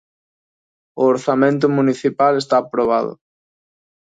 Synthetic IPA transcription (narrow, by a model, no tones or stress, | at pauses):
ʊoɾθamẽnt̪̬ʊmuniθipalest̪aːpɾoβ̞aðʊ̰